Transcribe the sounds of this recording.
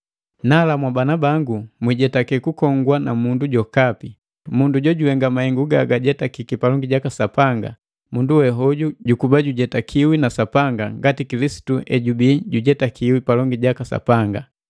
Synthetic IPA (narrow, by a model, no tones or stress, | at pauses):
nalamwabanabaŋɡumwiɟɛtakɛkukɔŋɡwanamunduɟɔkapi | munduɟɔɟuwɛŋɡamahɛŋɡuɡaɡaɟɛtakikipalɔŋɡiɟakasapaŋɡa̰ | munduwɛɦɔɟuɟukubaɟuɟɛtakʰiwinasapaŋɡaŋɡatikilisi̥tuɛɟubiɟuɟɛtakʰiwipalɔŋɡiɟakasa̰paŋɡa